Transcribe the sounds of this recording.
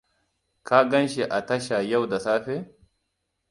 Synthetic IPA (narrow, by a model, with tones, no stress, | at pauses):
kʰa˦ɡɐ˦nʃi˨ʔa˨tɐ˦ʃa˨ja˦˨wda˨saː˦ɸe˦